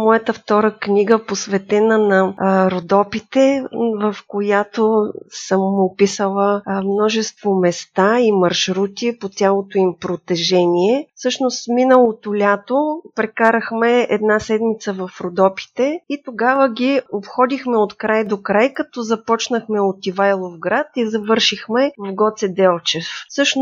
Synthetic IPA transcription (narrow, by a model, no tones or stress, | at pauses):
mɔjət̪əft̪ɔɾəknʲiɡəposvɛt̪ɛnənɐɾod̪ɔpit̪ɛvəfkojat̪osəmopisəlˠəmnɔʒɛst̪vomɛst̪aimɐɾʃɾut̪ʲipot̪ʲjalˠot̪oimpɾot̪ɛʒɛnʲiɛfsɤʃnost̪minəlˠot̪olʲat̪opɾɛkaɾəxmɛɛd̪nasɛd̪mit̪səvɐfɾod̪ɔpʲi̥t̪ɛit̪oɡavəɡʲiopxɔd̪ixmɛot̪kɾajd̪okɾajkɐt̪ɔzɐpɔt͡ʃnəxmɛot̪ivajlˠofɡɾat̪izɐvɤɾʃixmɛvɐvɡɔt̪sɛd̪ɛlˠt͡ʃɛfsɤʃn